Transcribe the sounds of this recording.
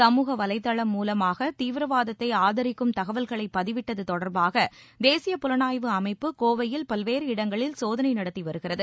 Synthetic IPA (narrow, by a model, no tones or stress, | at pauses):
sɐmuːɣɐʋɐlɐɪt̪ːɐɭɐmːuːlɐmaːɣɐt̪iːʋɪɾɐʋaːðɐt̪ːɐɪaːðɐɾɪkːɯmt̪ɐɣɐʋɐlɣɐɭɐɪpːɐðɪʋɪʈːɐðɯt̪ɔɽɐɾbaːɣɐ | d̪eːsɪjɐpʊlɐnaːjʋɯɐmɐɪpːɯkoːʋɐjɪlpɐlʋeːɾɯɪɽɐŋɡɐɭɪlsoːðɐnɐɪnɐɽɐt̪ːiʋɐɾɯɣɪrɐðɯ